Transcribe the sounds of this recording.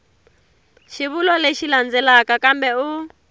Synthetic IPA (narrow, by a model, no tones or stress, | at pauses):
ʃiβulɔleʃiland͡zɛlakakambɛu